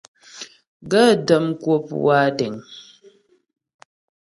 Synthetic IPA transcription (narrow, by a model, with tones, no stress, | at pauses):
ɡə˦˨də˨mkwo˦pwa˦dɛ˨ŋ